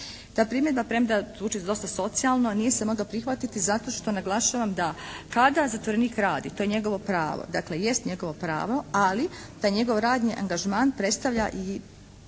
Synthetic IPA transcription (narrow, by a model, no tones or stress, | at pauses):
t̪aːpɾiːmjed̪bapɾemd̪azuːt͡ʃizd̪o̞st̪aso̞t̪sialˠnonije̞semo̞ɡlopɾixʋat̪it̪izat̪o̞ʃt̪o̞naɡlˠaʃaːʋamd̪akad̪azat̪ʋoɾeniːkɾaːd̪it̪ojeɲe̞ɡo̞ʋo̞pɾaːʋo̰d̪akle̞je̞st̪ɲe̞ɡo̞ʋo̞pɾa̰ːʋo̞alit̪aːjɲe̞ɡo̞ʋɾaːd̪ɲiʔaŋɡaʒmaːnpɾe̞t̪st̪aʋʎaʔi